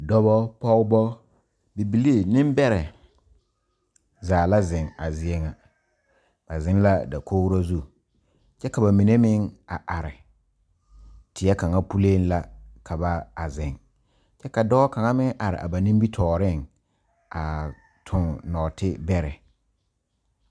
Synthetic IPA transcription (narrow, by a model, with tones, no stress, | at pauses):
dɔ˦βɔ˦pɔ˦ɣbɔ˦ | bi˨bi˨li˦˨nɪ̃˦mbɛ˦ɾɛ˨ | zaː˨la˦zɪ˨ŋa˨zɪ˨ɛ˦ŋa˨ | b̥a˨zɪ˦n˦la˦da˨kʰo˦wɾo˦zu˦˨ | t͡ʃɛ˦ka˨ba˨mi˨ne˦mɪ˦ŋa˨ʔa˨ɾɪ˨ | tɪ˨ɛ˦ka˨ŋa˦pu˦le˦n˦la˦kʰa˨ba˦a˨zɪ˨ŋ | t͡ʃɛ˦ka˨dɔː˦ka˨ŋa˦mɪ˦ŋʔa˨ɾɪ̰˨ʔa̰˨ba˨nɪ̃˦mbi˦tʰɔː˨ɾɪ˦ŋ | a˨ | tʰʊ˨ŋnɔː˨tɪ˦bɛ˦ɾɛ˨